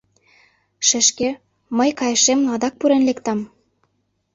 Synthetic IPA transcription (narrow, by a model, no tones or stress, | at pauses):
ʃɘ̆ʃke | məjkɑjə̆ʃemlˠɑd̪ɑk̚puɾĕnlekt̪ɑm